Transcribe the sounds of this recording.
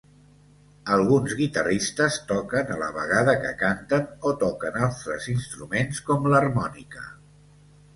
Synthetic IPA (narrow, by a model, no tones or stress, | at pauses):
əlˠɣunzɣit̪ərist̪əst̪ɔkənələ̰βə̰ɣaðəkə̰kant̪ənot̪ɔkənalˠt̪ɾəzinst̪ɾumenskɔmlərmɔnikə̰